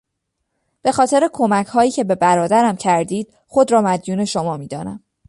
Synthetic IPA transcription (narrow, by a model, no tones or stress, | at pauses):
b̥e̞xɒːt̪ʰe̞ɾe̞kʰo̞mæcʰhɒːjiːcʰe̞be̞bæɾɒːd̪æɾæmcʰæɾd̪iːd̪̥̚ | xo̞d̪ɾɒːmæd̪juːne̞ʃomɒːmiːd̪ɒ̰ːnæ̰m